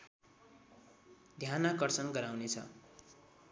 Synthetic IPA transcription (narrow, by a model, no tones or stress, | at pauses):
d̪ʱjanakʌrt͡sʌnɡʌɾawnet͡sʰʌ̰